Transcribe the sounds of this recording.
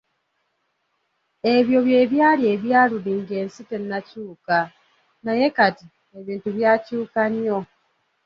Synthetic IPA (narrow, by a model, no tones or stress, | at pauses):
e̞βjo̞βje̞ːβjaːlie̞ːβjaːluliŋɡe̞ːnsite̞nːacuːka | naje̞kati | e̞βiːntuβjacuːkanjo̞